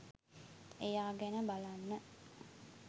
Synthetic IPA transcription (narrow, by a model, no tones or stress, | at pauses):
ejaːɡɛnəbalanːə